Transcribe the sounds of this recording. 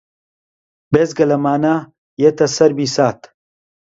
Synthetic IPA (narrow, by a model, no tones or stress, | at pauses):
bezɡɐlɐmaːnaː | jet̪ɐsɐɾbisaːt̪